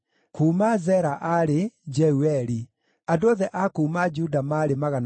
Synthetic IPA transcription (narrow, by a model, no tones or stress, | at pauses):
kʰuːmazɛɾaʔaɾed͡ʒɛuɛɾi | andoɔðɛʔakuːmad͡ʒudamaɾemaɣan